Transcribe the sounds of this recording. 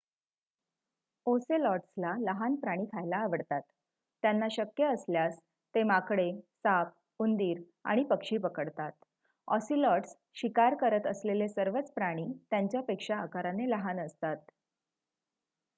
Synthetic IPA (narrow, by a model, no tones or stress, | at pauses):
oselɔʈslaləɦanpɾaɽ̃iːk̪ʰajlaːʋəɽt̪at̪ː | janːaɕəkjəːsljas | t̪emakɽesap̚ | und̪iːɾ | a̰ɽ̃ipəkʂiːpəkəɽt̪at̪̚ | ɔsilɔʈs | ɕikaɾkəɾət̪əslelesəɾʋət͡spɾaɽ̃iːt̪jaɲt͡ɕjapekʂaːkaɾaneləɦanəst̪at̪̚